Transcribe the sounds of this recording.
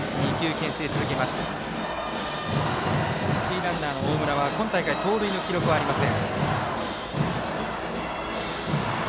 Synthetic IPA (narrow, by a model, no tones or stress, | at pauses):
ɲʲĩkʲɨːkẽ̞ɰ̃seːt͡sɨzɨke̞maɕi̥t̪a | t͡ɕiːɾãnːaːno̞oːmɯ̟ɾaβakõ̞nt̪aikait̪oːɾɯinokʲiɾo̞kɯ̟βaːɾimasẽ̞ŋ